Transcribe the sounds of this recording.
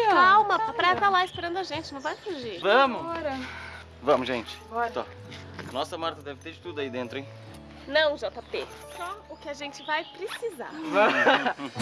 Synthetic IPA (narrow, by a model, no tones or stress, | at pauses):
awmɐpɾɛzɐlaɪspeɾɐ̃nd̪ʊɐʒẽnt͡ʃɪnɐ̃w̃vajfuʒivɐ̃mʊɔɾɐ | vɐ̃mʊʒẽnt͡ʃɪ̥ɔɾɐɔ̰ | nɔsɐmaɾt̪ɐd̪ɛvɪt̪eɾt̪ud̪ʊɐid̪ẽnt̪ɾʊẽj̃ | nɐ̃w̃ʒɔt̪ɐpe | sɔʊkɪɐʒẽnt͡ʃɪvajpɾɪsiza̰ɾv